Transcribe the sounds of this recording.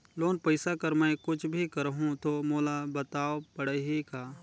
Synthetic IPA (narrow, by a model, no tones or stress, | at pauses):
loːnpəɪsakəɾmɛ̃kʊt͡ʃʰbʱikəɾɦũt̪omoːlabət̪aːopəɽəɦikaː